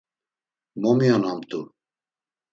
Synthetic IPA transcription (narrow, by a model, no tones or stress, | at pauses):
mɔmijɔnamt̪u